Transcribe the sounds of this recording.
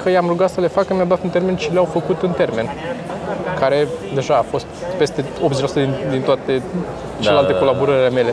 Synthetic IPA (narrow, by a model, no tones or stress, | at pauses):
kəjamɾuɡat̪səle̞fakːəmijawd̪oat̪ɨnt̪e̞ɾme̞nt͡ʃileawfəkut̪ɨnt̪e̞rme̞n | kaɾe̞d̪e̞ʒaːfo̞st̪pe̞st̪e̞o̞pzelasut̪əd̪ind̪int̪oat̪e̞ | t͡ʃelelalt̪eko̞laboɾəɾile̞me̞le̞